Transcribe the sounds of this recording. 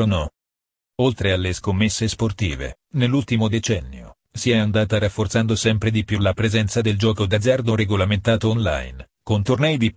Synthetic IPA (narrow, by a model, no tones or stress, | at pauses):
onɔ | olt̪ɾealːeskomːesːesport̪ḭːvḛ | nelːult̪imod̪et͡ʃɛnːjo̰ | siɛand̪aːt̪aɾafːort̪sand̪osɛmpɾed̪ipjulapɾezɛnt̪sad̪eld͡ʒɔːkod̪ad̪zard̪oɾeɡolament̪aːt̪oːnla̰jn | kont̪ornɛjd̪i